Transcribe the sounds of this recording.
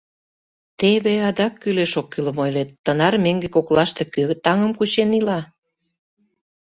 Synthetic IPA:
t̪eβeɑd̪ɑkːyleʃokːyləmojlet̪ːənɑrmeŋɡekoklɑʃt̪ekøt̪ɑŋəmkut͡ɕenilɑ

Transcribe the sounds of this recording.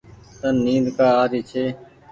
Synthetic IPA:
t̪ənnːĩːd̪kaːaːɾiːt͡ʃʰeː

